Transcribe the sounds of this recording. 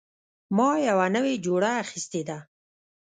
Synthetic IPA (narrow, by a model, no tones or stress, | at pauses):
mɑjawanəwed͡ʒoɽaaxist̪ed̪a